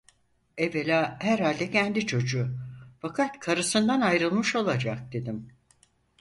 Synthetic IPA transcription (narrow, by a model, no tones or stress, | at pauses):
ɛvelʲaːhæɾhalʲd̪ɛcʰænd̪it͡ʃʰo̞d͡ʒufakʰat̪kʰaɾɯsɯnd̪anajɾɯlˠmɯʃo̞lˠad͡ʒak̚d̪̥e̞d̪im